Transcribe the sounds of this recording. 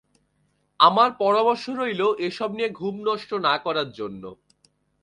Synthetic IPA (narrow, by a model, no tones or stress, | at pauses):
amaɾpɔɾamɔɾʃoɾojloʔeʃɔb̚nieɡʱumnɔʃʈonakɔɾaɾd͡ʑonːo̰